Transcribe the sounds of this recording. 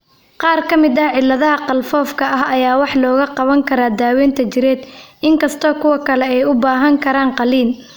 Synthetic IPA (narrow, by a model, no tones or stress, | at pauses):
qɑːrkʰɐmɪd̪ɐʕɪlːɐðɐɦɐqɑlfɔːfkʰɐɐɦɐjaːwɑħlɔːɣɐqɑβɐŋkʰɐɾaːd̪aːwɛːnt̪ʰɐt͡ʃɪɾɛːd̪ɪŋkɐst̪ʰɔːkʰʊwɐkʰɐlɛɛjʊbaːɦɐŋkʰɐɾaːnqɑliːn